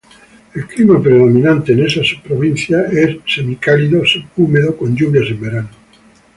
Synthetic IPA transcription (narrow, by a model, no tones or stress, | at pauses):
elklimapɾeðo̞mĩnãnt̪eːnesasu̥ppːɾoβ̞in̟θjaessemikaliðoseumeðokonʎuβjasembeɾano